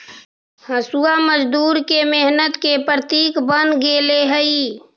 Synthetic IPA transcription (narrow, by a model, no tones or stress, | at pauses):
həsuaməd͡ʒd̪uːɾkemeɦnət̪kepɾət̪iːkbənɡeːleɦəi